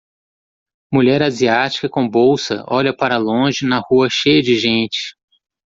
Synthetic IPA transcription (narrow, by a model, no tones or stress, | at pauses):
muʎɛɾaziat͡ʃi̥kɐkõbowsɐ̰ʔɔʎɐpaɾɐlõʒɪnɐhuɐʃejɐd͡ʒɪʒẽnt͡ʃɪ̥